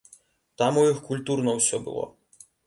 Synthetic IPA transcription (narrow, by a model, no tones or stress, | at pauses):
t̪amujixkulʲt̪urnɔwsʲɔbʊ̰lˠɔ̰